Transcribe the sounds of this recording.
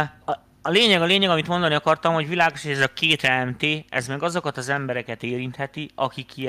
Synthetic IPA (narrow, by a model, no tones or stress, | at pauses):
ɒleːɲɛɡɒleːɲɛɡɒmit̪mond̪ɒniɒkɒrt̪ɒmho̞ɟvilaːɡoʃiɛzɒkeːt̪ɛɛmt̪eːɛ̰zmɛɡɒzo̞kɒt̪ɒzɛmbɛɾɛkɛt̪eːɾint̪hɛt̪iɒkikːi